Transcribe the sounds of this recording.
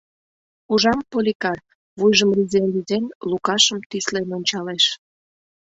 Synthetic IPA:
uʒɑmpolʲikɑr | βujʒəmrizenlizenlukɑʃəmt̪islenonʲt͡ɕɑleʃ

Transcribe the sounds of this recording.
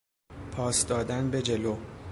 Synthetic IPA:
pʰɒːsd̪ɒːd̪ænbe̞d͡ʒe̞lo

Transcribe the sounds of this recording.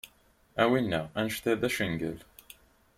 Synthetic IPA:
æwinːæænʃθeðæʃəŋɡə̰l

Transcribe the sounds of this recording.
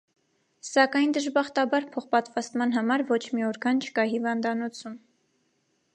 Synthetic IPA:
sɑkɑjnd̪əʒbɑχt̪ɑbɑɾpʰɔχpɑt̪vɑst̪mɑnɦɑmɑɾvɔt͡ʃʰmiɔɾkʰɑnt͡ʃʰə̥kɑhivɑnd̪ɑnɔt͡sʰum

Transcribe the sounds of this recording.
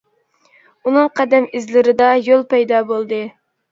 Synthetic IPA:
unɨŋqʰæd̪ɛmizlɪɾɪd̪ɑjolˠpɛjd̪ɑbolˠd̪ɨ

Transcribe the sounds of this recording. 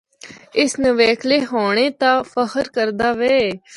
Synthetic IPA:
ɪsnəʋeːkʰleːɦoːɳ̃eːt̪ãːfəhəɾkəɾd̪aːʋɛː

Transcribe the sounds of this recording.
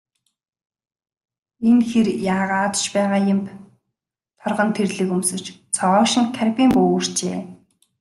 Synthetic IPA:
enxerjaːʁaːt̪t͡ɕpæːʁaːjɪ̆m | t̪ʰɔrʁɞ̆nt̪ʰerɮɘ̆kumsɵ̥̆t͡ɕt͡sʰɔɔːʃɪ̆ŋt̪ʰærpʲiːmpoːr̥t͡ɕeː

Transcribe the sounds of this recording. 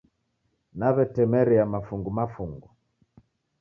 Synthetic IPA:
naβɛtɛmɛɾiamafuŋɡumafuŋɡu

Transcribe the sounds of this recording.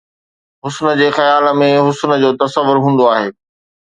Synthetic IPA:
ɦʊsnə̆d͡ʑeːxɐjaːlmẽɦʊsnə̆d͡ʑoːt̪ɐsəʋːʊɾɦũːn̆d̪oaːɦeː

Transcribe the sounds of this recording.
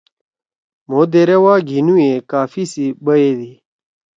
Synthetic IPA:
mod̪eɾewaːɡʱinuekaːfisibɐed̪i

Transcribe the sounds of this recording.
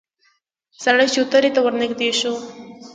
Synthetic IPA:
saɽajt͡ʃut̪əɾit̪awəɾnɪkd̪eʃo

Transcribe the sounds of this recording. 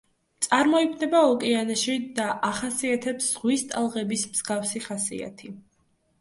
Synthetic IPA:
t̪sʼaɾmɔipʰnɛbaɔkʼɛanaʃid̪aʔaχasiat̪ʰɛpsz̥ʁwist̪ʼalˠʁɛbismz̥ɡafsiχasḭa̰t̪ʰi

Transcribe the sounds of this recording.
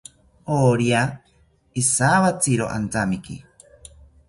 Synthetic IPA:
oɾia | isaβat͡siɾo̰ʔa̰nt͡samikḭ

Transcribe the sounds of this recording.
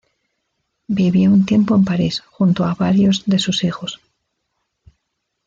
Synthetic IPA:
biβjount̪je̞mpoe̞mpaɾisxunt̪oaβaɾjo̞zðe̞susixo̞s

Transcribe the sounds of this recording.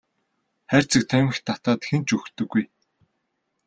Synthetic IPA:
χær̥ʲt͡sɘ̆k̚t̪ʰæmɘ̆xt̪ʰːat̪aːt̪xent͡ɕɵxt̪ɵ̆ɡːuj

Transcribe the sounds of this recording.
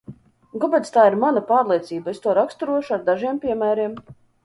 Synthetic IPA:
ɡɔbɛt̪st̪aːiɾmanapaːɾlˠiɛt̪siːbaest̪uɔɾakst̪uɾuɔʃuaɾd̪aʒiɛmpʲiɛmæːɾiɛm

